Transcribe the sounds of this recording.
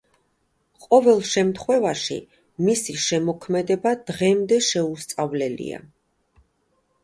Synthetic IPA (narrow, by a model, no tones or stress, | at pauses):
qʼɔvɛlˠʃɛmt̪ʰχwɛvaʃḭ | misiʃɛmɔkʰmɛd̪ɛbad̪̥ʁɛmd̪ɛʃɛust̪sʼavlɛlḭa̰